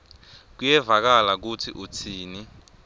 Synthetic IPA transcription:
k̬ujɛvak̬alak̬utʰiʔut͡sʰiːni

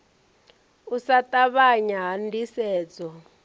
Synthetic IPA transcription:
usatʼaβaɲaɦandisɛːd͡zɔ

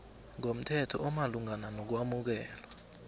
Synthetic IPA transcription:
ŋom̩tʰɛtʰɔ̰ʔɔmaluŋananok̬wamuk̬ɛːlwa

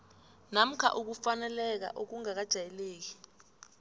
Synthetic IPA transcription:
nam̩kʰa̰ʔuk̬ufanɛlɛk̬a̰ʔok̬uŋak̬ad̥ʒ̥ʱajɛleːk̬i̥

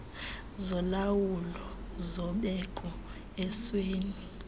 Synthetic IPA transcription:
zɔlawulɔ | zɔɓɛkʼɔ | ɛsweːni

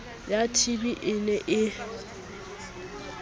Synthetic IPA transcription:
jatʰibiʔɪnɛʔɪ

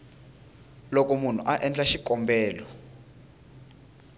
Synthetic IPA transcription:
lɔk̬ʼomun̤ṵʔaʔɛnd͡ɮaʃikʼɔmbɛːlɔ

